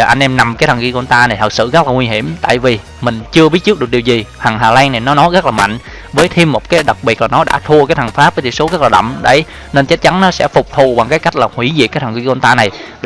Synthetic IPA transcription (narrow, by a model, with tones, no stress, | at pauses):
ʔa˧jŋʔɛ˧mna˨˩mkaː˨˦t̪ʰə˨˩ŋki˧kɔ˧nt̪aː˧na˨˩jt̪ʰə˨˩t̚sɨ̰˧˨ɣə˦˥laː˨˩ŋwi˧ɦi˧˩əmt̪a̰ː˧˨jvi˨˩ | mï˨˩ŋ̟t͡ɕɨ˧əɓi˦˥t̚t͡ɕɨ˦˥k̚ɨ˨˩k̚ɗi˨˩zi˨˩ha˨˩ŋɦaː˨˩laː˧ŋna˨˩jnɔ˨˦nɔ˨˦jɣə˦˥k̚laː˨˩ma̰˧˨ŋ̟ | vəː˨˦jt̪ʰi˧mːo˨˩t̚kaː˨˦jɗa˨˩k̚ɓi˨˩ət̚laː˨˩nɔ˨˦ɗa̰ː˧˥t̪ʰu˧əkaː˨˦jt̪ʰa˨˩ŋfaː˦˥p̚vəː˨˦t̪ʰi˧˨so˨˦ɣə˦˥laː˨˩ɗə̰˧˨wŋ͡mɗḛ˧˩ | ne˧nt͡ɕa˦˥t̚t͡ɕa˨˦nnɔ˨˦sɛ̰˧˥fʊ˨˩k͡p̚t̪ʰu˨˩vaː˨˩ŋkaː˨˦jka˦˥k̚laː˨˩hwi˧˩zḭ˨kaː˨˦t̪ʰə˨˩ŋki˧kɔ˧nt̪aː˧na˨˩j